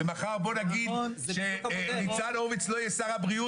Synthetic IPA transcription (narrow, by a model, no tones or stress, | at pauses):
emaχaʁbo̞naɡid̪ʃenit͡sanovit͡slo̞jesaʁabʁiu